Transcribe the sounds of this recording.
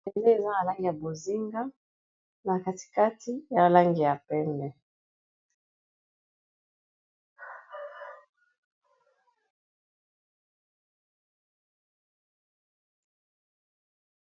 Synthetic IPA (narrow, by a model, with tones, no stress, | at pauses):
de˨le˦e˨za˦a˨la˦ŋɡi˨ja˨bo˨zi˦ŋɡa˦ | na˨ka˨ti̥˨ka˦tʰi˦ja˨a˨la˦ŋɡi˨ja˨pɛ˦ndɛ˨